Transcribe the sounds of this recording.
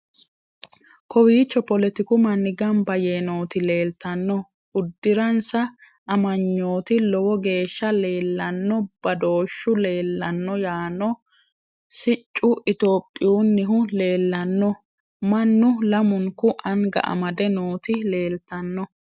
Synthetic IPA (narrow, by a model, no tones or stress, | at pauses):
kɔwiːt͡ʃːɔpɔlɛt̪ɪkʊmɐnːɪɡɐmbɐjeːno̞ːt̪ɪle̞ːlt̪ɐnːɔ | ʊd̪ːɪɾɐnsɐ | ʔːmɐɲːoːt̪ɪlɔwɔɡe̞ːʃːɐle̞ːlːɐnːɔb̥ɐd̪o̞ːʃːʊle̞ːlːɐnːɔjaːnɔ | sɪt͡ʃʼːʊʔɪt̪o̞ːpʼːɪjuːnːɪɦʊle̞ːlːɐnːɔ | mɐnːʊlɐmʊŋkʊʔɐŋɡɐ̰ʔɐ̰mɐd̪ɛnoːt̪ɪle̞ːlt̪ɐnːɔ